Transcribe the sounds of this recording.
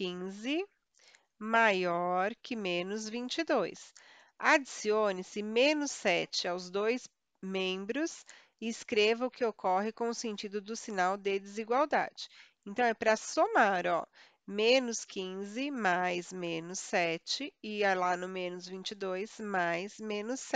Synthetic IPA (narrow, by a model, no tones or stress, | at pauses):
kĩzɪ | majɔɾkɪmẽnʊzvĩnt͡ʃɪd̪ojs | ad͡ʒisionɪsɪmẽnʊsɛt͡ʃɪawzd̪ojs | mẽbɾʊs | ɪskɾevɐʊkɪokɔɦɪkõʊsẽnt͡ʃid̪ʊd̪ʊsinawd̪ɪd͡ʒ̪ɪziɡwawd̪a̰d͡ʒɪ̥ẽnt̪ɐ̃w̃ɛpɾɐsomaɾɔ̰ | mẽnʊskĩzɪmajzmẽnʊsɛt͡ʃɪɪalanõmẽnʊzvĩnt͡ʃɪd̪ojsmajzmẽnʊsɛ